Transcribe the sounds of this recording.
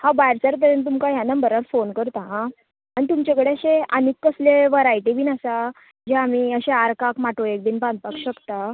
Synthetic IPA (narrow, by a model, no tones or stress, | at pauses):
hãbajɾt͡saɾt̪əɾənt̪̬umkaɦjanəmbəɾaɾfonkəɾt̪aɦã | aɽit̪umt͡ɕekəɽeəɕẽanikːəsleʋəɾaiʈibʱiːnasa | d͡ʑeamiəɕeaɾkakmaʈoek̚d̪iːnbãnd̪̚pakɕəkt̪a